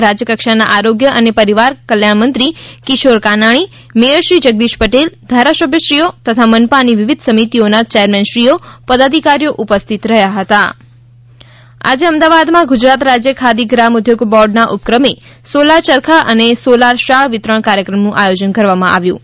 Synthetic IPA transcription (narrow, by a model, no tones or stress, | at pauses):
ɾad͡ʒjəkəkʃana̰ʔaɾoɡjəʔənepəɾiʋaɾkəljaɳmənt̪ɾikiʃoɾkanaɭ̃i | meəɾʃɾid͡ʒəɡ̚d̪iʃpəʈeld̪ʱaɾasəbʱjəʃɾijot̪ət̪ʰamənpaniʋɪʋɪd̪ʱsəmit̪ionat͡ʃeəɾmɛnʃɾiopəd̪ad̪ʱikaɾjoʔupəst̪ʰit̪ɾəɦjaɦət̪a | a̰d͡ʒeəmd̪aʋad̪mãɡud͡ʒɾat̪ɾad͡ʒjəkʰad̪iɡɾamʊd̪ʱjoɡbɔɾɖnaʔʊp̚kɾəme | solaɾt͡ʃəɾkʰaʔənesolaɾʃaɭʋɪt̪ɾəɳ̃kaɾjəkɾəmnũʔajod͡ʒənkəɾʋamãʔa̰ʋjṵ̃